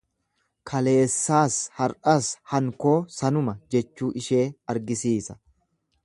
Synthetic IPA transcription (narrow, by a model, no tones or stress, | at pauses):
kʰɐle̞ːsːaːshɐɾɐshɐŋko̞ːsɐnʊmɐd͡ʒɛt͡ʃːuːʔɪʃe̞ːɐɾɡɪsiːsɐ̥